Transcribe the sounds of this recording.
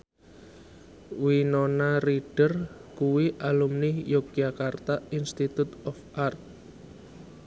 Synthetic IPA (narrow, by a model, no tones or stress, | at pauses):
winonariɖ̥ərkuwiʔalumnɪjoɡjakart̪ainst̪it̪ut̪ɔfart̪̚